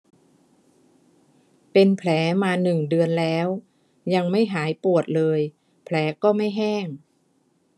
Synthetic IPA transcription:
pe˧npʰlɛː˩˦maː˧nɯ˨˩ŋdɯ˧ənlɛː˦˥w | ja˧ŋma˥˩jɦaː˩˦jpu˨˩ət̪̚lɤː˧j | pʰlɛː˩˦kɔː˥˩ma˥˩jɦɛː˥˩ŋ

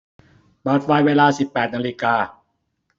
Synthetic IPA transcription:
maː˨˩t̪̚waː˧jweː˧laː˧si˨˩pːɛː˨˩t̪̚naː˧li˦˧kaː˧

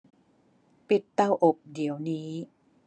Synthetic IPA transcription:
pi˨˩t̪ːa˧wʔo˨˩k̚di˩˦əwniː˦˥

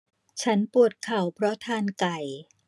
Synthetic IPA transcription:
t͡ɕʰa˦˥npu˨˩ət̪̚kʰa˨˩wpʰɾɔ˦˥t̪ʰaː˧nka˨˩j

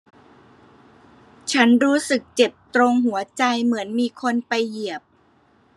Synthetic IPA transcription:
t͡ɕʰa˦˥nɾuː˦˥sɯ˨˩k̚t͡ɕe˨˩p̚t̪ɾo˧ŋɦu˩˦ɐt͡ɕa˧jmɯ˩˦ənmiː˧kʰo˧npa˧jːi˨˩əp̚

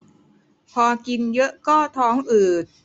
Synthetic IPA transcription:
pʰɔː˧ki˧njɤ˦˥ʔkɔː˥˩t̪ʰɔː˦˥ŋʔɯː˨˩t̪̚

